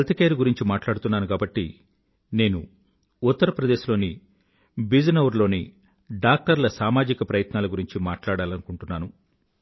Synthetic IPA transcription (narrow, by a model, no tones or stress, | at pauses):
ɐlt̪ikeːɾuɡuɾiɲt͡ʃimaːʈlaːɽut̪unːaːnuɡaːbɐʈːi | ne̞ːnṵ | ut̪ːɐɾɐpɾɐd̪e̞ːʃlo̞ːni | bid͡ʒnɐwɾlo̞ːni | ɖaːk̚ʈɐɾlɐsaːmaːd͡ʒikɐpɾɐjɐt̪naːlɐɡuɾiɲt͡ʃimaːʈlaːɽaːlɐnukuɳʈunːaːnu